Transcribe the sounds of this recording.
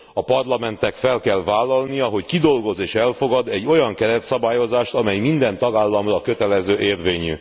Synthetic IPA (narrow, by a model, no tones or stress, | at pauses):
ɒpɒrlɒmɛnt̪ɛkfɛlkɛlvaːlːɒlnijɒɦo̞ckid̪o̞lɡo̞zeːʃɛlfo̞ɡɒd̪ɛɟːo̞jɒŋkɛɾɛt̪sɒbaːjo̞zaːʃt̪ɒmɛjmind̪ɛnt̪ɒɡaːlːɒmrɒkø̞t̪ɛlɛzøːʔeːrveːɲy